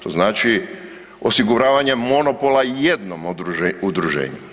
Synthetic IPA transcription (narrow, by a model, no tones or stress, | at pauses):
t̪o̞znaːt͡ʃi | osiɡuɾaːʋaɲemo̞nopolˠajed̪nomɾuud̪ɾuʒḛːɲu